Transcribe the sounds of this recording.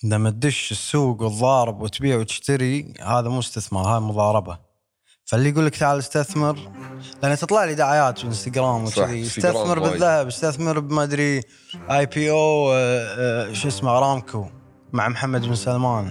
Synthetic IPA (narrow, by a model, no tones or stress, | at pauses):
ʔd̪amat̪̚d̪ʊʃɪsːuːɡwɨðˤːɑːɾˤɨbwɪt̪biːʕut̪ɪ̥ʃt̪aɾihaːðamuːst̪ɪθmɑɾˤhaːjmʊðˤɑːɾˤɑba | falːiɡuːlːəkt̪aʕalɪst̪aθmɪɾlʔanːat̪ɨt̪ˤlɑʕlid̪aʕajaːt̪bɪnst̪aɡɾaːmwt̪iɪst̪aθmɪɾbɪðːahabɪst̪aθmɪɾbmad̪ɾi | ʔajpiːʔoː | ʃʔɪsmaʕɾˤɑːmkʰu | maʕmħamːad̪bɪnsalmaːn